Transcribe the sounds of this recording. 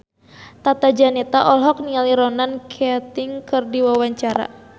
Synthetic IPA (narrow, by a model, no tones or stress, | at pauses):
t̪at̪ad͡ʒanɛt̪aʔɔlɦɔk̚nialiɾɔnankʰɛt̪ɪŋkɨrdiwawaɲt͡ʃaɾa̰